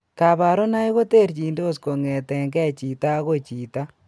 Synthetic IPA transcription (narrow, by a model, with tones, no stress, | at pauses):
ka˨ba˨ɾo˦na˦i˦ɣo˦te˦ɾt͡ʃi˨ndo˦sko˨ŋɛ˨tɛ˨ŋɡɛ˦t͡ʃi˨ta˦ɣo˦t͡ʃi˨ta˦